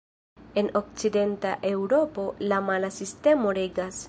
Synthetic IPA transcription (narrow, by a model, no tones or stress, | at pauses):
e̞no̞k̚t͡side̞ntaʔe̞wɾo̞po̞lamalasiste̞mo̞ɾe̞ɡas